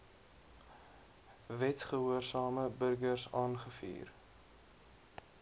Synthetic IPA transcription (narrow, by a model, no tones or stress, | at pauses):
vɛtχəɦuərsɑːməbərɡərsɑːnχəfḭːr